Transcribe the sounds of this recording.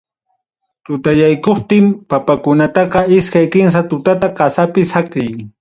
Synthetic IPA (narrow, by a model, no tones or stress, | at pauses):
t̪ʊt̪ajajkoχt̪ɪmpapakʊnat̪ɑqɑɪskajkɪns̬at̪ʊt̪at̪aqɑsapɪsakɾɪj